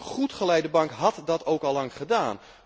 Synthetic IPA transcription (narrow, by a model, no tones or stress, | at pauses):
χutχəlɛjdəbɑŋkɦɑtdɑtowkɑlˠːɑŋχədaːn